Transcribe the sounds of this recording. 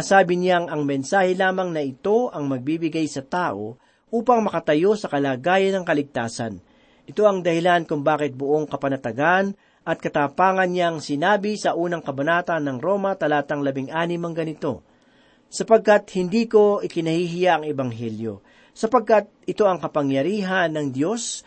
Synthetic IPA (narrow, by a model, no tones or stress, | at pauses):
asaːbɪnjaŋɐŋmɛnsaːhɛlaːmɐŋnɐʔɪt̪o̞ʔɐŋmɐɡ̚bibɪɡajsɐt̪aːʔo̞ | ʔuːpɐŋmɐkɐt̪ɐjo̞sɐkɐlaːɡaːjɐnːɐŋkɐlɪɡ̚t̪aːsɐ̰n | ʔɪt̪o̞ɐŋd̪ɐhɪlankʊŋbaːkɪt̪̚bʊʔo̞ŋkɐpɐnɐt̪ɐɡan | ʔɐt̪̚kɐt̪aːpaːŋɐnɲaŋsɪnaːbɪsɐʔuːnɐŋkɐbɐnaːt̪ɐnːɐŋɾo̞mɐt̪ɐlaːt̪ɐŋlɐbɪŋʔaːnɪmɐŋɡɐnɪt̪o̞̰ | sɐpɐɡ̚kat̪hɪnd̪iːko̞ʔɪkɪnɐhiɦɪjaʔɐŋɛbɐŋɦɛljo̞̰ | sɐpɐɡ̚kat̪̚ɪt̪o̞ʔɐŋkɐpɐŋjɐɾiːɦɐnːɐŋd̪jo̞s